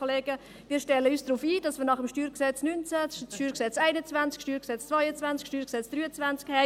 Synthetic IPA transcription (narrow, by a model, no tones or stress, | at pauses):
oleːɡə | viːɾʃtɛlːəysd̥ruːfiːd̥ɑsmiːɾnɑχəmʃtyːɾksɛt͡snynt͡satyːɾksɛt͡sɛɪnət͡svant͡skʃtyːɾksɛt͡st͡svɔjət͡svant͡skʃtyːɾsɛt͡sd̥ʁyːət͡svant͡skhɛ